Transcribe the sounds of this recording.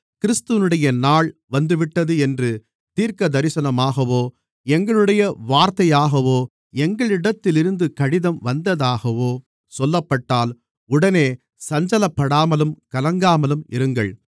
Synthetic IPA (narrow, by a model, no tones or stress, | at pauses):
kɪɾɪst̪ɯʋɐnɯɽɐjɐnaːɭʋɐnd̪ɯʋɪʈːɐðɯɛndrɯ | t̪iːɾkɐd̪ɐɾɪsɐnɐmaːɣɐʋoː | ɛŋɡɐɭɯɽɐjɐʋaːɾt̪ɐjaːɣɐʋoː | ɛŋɡɐɭɪɽɐt̪ːɪlɪɾɯnd̪ɯkɐɽɪðɐmʋɐnd̪ɐðaːɣɐʋoː | sɔlːɐpːɐʈːaːl | ʊɽɐneː | sɐɲd͡ʒɐlɐpːɐɽaːmɐlɯmkɐlɐŋɡaːmɐlɯmɪ̰ɾɯŋɡɐ̰ɭ